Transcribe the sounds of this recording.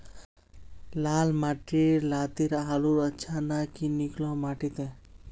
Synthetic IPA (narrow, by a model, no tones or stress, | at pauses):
lalmaʈiɾlat̪iɾaluɾətːʃʰanakiniklɔmaʈit̪ẽ